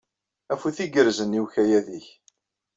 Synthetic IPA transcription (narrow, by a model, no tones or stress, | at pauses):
æfuθiɡəɾzəniwçæjæðiç